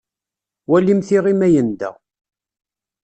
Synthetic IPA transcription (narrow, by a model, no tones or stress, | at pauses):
wælːimθiʁimæjənd̪æ̰